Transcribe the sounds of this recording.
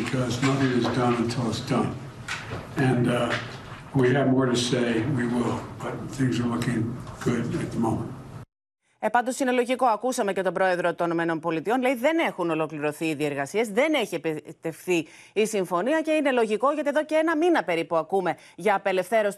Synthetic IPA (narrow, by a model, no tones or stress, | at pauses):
ɨkʰʌznʌθɪ̃ŋɨzdʌ̃nɨ̃ntʰɪlˠətsd̥ʌ̃n | ɨ̃n | wiɨvmɔɹɾɨseɪwiwɪlˠb̥ʌt̪̚θɪ̃ŋzə˞lʊkɪ̃ŋɡ̥ʊɾɨt̪̚ðəmõʊ̃mə̃nt̚ | epɐnd̪o̞sine̞lo̞ʝiko̞ɐkusɐme̞ce̞t̪o̞bɾo̞e̞ðɾo̞t̪onome̞no̞npo̞lit̪io̞nleiðe̞ne̞xuno̞lo̞kliɾo̞θiiðie̞ɾɣɐsiezðe̞neçiepit̪e̞fθi | isiɱfo̞niɐce̞ine̞lo̞ʝiko̞ʝɐt̪ie̞ðo̞ce̞enɐminɐpe̞ɾipuɐkume̞ | ʝɐːpe̞le̞fθe̞ɾos